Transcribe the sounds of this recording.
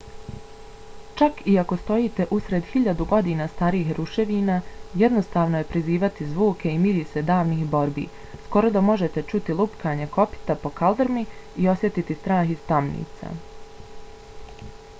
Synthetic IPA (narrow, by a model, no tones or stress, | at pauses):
t͡ʃakiako̞st̪o̞jiːt̪e̞ʔusɾe̞d̪hiʎad̪uɡo̞d̪iːnaːst̪aɾiːxɾuʃe̞ʋiːnaːjɛd̪no̞st̪aːʋno̞je̞pɾiziːʋat̪izʋuːkʰe̞imiʎise̞d̪aːʋniːxbo̞ɾbḭː | sko̞ɾo̞d̪amo̞ʒe̞t̪e̞t͡ʃut̪ilupkʰaːɲe̞ko̞pi̥t̪apo̞kald̪ɾmiio̞sje̞t̪it̪ist̪ɾaːxist̪amnḭːt̪sa̰